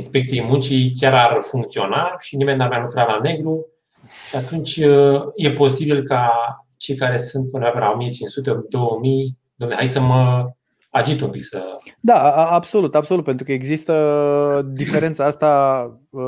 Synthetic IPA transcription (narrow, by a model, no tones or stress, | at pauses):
inspe̞k̚t̪sijejmunt͡ʃikʲaɾarfuŋk̚t̪sio̞naʃinimenːarmjalukɾalane̞ɡɾu | ʃiat̪unt͡ʃʲəje̞po̞sibilka | t͡ʃe̞jkaɾe̞sunt̪̚punovaplao̞mijet͡ʃinsut̪ed̪o̞wəmij | d̪omneɦajsəmə | aʒit̪umpiksə̰d̪aabso̞lut̪absolut̪̚pent̪ɾukəeɡzist̪ə | d̪ife̞ɾe̞nt̪saast̪a